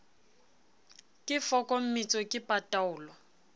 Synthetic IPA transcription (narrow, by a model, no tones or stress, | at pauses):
kʼɪfɔkʼɔm̩mit͡sʼɔkʼɪpʼatʼaʊːlɔ